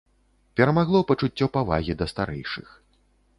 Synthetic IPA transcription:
pʲɛɾɐmaɣlˠɔpɐt͡ʂut͡sʲːɔpava̰ɣʲid̪ɐst̪aɾɛ̰jʂɨx

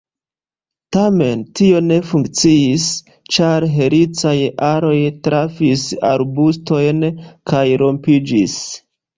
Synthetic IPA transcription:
tame̞ntio̞ne̞fuŋk̚t͡siis | t͡ʃaɾɦe̞ɾit͡sajʔaɾo̞jtɾafisa̰ɾbusto̞jnkajɾo̞mpid͡ʒis

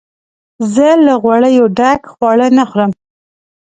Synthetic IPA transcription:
zəlaɣwaɽəjoɖaɡxwɑɽənaxɾəm

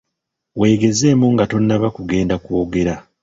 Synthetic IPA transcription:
we̞ːɡe̞ze̞ːmuŋɡato̞nːaβakuɡe̞ːndakwoɡe̞ɾa

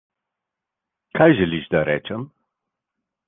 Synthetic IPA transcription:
kʰajʒəliʃd̪aɾɛt͡ʃɛm

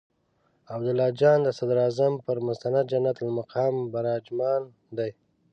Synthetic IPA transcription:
abd̪ʊlɑd͡ʒɑnd̪əsad̪ɾɑzampəɾmʊst̪anad̪̚d͡ʒanat̪lmaqʰɑːmbaɾɑd͡ʒmɑn | d̪aj

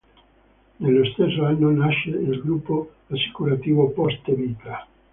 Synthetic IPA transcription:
nelːost̪esːoanːonaʃeilɡɾupːo | asi̥kuɾat̪iːvopɔst̪evit̪a

